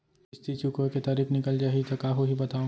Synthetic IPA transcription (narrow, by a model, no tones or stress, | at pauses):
ɪst̪ʰit͡ʃukoket̪aːɾiːkʰnɪkəld͡ʒaːɦeit̪ɐkaːɦoɦibɐt̪ãː